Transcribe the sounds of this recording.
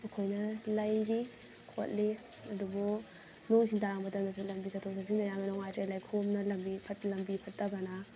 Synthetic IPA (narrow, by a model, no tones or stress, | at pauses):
ɐkʰojnɐlajɡi | kʰo̰t̚li | ɐdubɔ | nuŋsintaŋbɐtanasulɐmbisatʰɔŋsas̬iŋdajaŋanɔŋajtalajkʰomnɐlɐmbipʰɐtlɐmbipʰɐt̚dɐbɐna